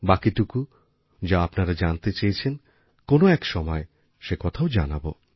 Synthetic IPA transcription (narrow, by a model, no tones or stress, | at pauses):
bakiʈuku | d͡ʑaapnaɾad͡ʑant̪et͡ɕajt͡ɕʰen | konoɛkʃɔmɔe | ʃekɔt̪ʰaod͡ʑa̰nabo̰